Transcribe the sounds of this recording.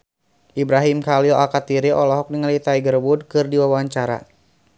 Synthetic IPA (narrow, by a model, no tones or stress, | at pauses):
ʔibɾaɦimkaliɔʔalkat̪iɾiʔɔlɔɦɔk̚niŋalit̪aiɡərwud̚kɨrdiwawaɲt͡ʃaɾa̰